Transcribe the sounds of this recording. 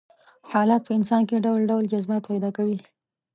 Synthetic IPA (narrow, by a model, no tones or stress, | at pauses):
hɑlat̪̚pəɪnsɑnkeɖawlɖawld͡ʒazbat̪̚pajd̪ɑkawi